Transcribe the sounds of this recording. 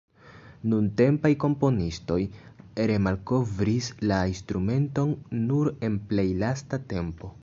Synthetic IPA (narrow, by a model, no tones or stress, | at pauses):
nunte̞mpajko̞mpo̞nisto̞jɾe̞malko̞vɾislainstɾume̞nto̞nːuɾe̞nple̞jlastate̞mpo̞